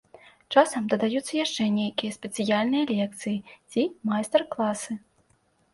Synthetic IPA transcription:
t͡ʂasɐmd̪ɐd̪ajut̪sːɐjaʂt͡ʂɛnʲejkʲijɐsʲpʲɛt̪sɨjalʲnɨjɐlʲɛk̚t̪sɨjit͡sʲimajst̪ɛrklˠasɨ

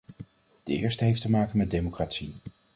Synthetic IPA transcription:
d̥əɪ̰ːɹstəɦejftəmaːkənmɛt̚dejmokratsi

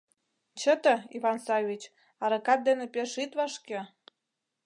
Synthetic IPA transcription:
t͡ɕət̪ə̆iβɑnsɑvʲit͡ɕ | ɑɾɤkɑt̪̚d̪enepeʃit̪βɑʃke

